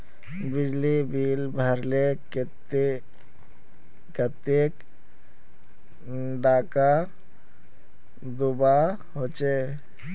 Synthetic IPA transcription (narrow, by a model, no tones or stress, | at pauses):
bɪd͡ʒlibiːlbʱəɾlek | kət̪ek | ɖaːka | d̪ʊba | ɦoːt͡ʃe